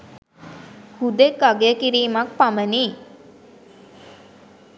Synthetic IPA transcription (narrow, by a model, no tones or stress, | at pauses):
hud̪ekːaɡejəkiɾiːmak̚paməni